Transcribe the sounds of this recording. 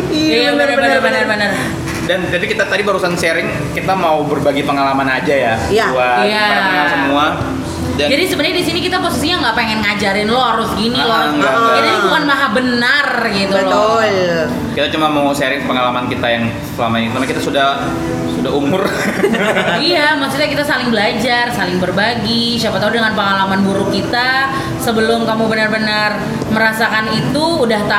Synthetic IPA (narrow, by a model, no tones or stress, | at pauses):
iabnərbənəbənərbənər | dant̪apikit̪at̪adibəɾusanseɾɪŋ | kit̪amaubərbaɡipəŋalamanad͡ʒajaauaijaaŋasəmua | dad͡ʒadisəbəndɲadisinikit̪aposisijaŋɡaʔpeŋɛnŋad͡ʒaɾɪnlɔhaɾʊsɡinilɔŋɡakit̪aabuanmaɦabənarɡit̪ulɔ | kit̪at͡ʃumamowseɾɪŋpəŋalamankit̪ajaŋ | səlamait̪amakit̪asudah | sudaɦumʊr | ijamaksit̪ɲakit̪asalɪŋbəlad͡ʒarsalɪŋbərbaɡiʃapat̪audəŋanpəŋalamanbuɾʊkːit̪a | səbəlʊmkamubənarbənar | məɾasakanit̪uːdaht̪a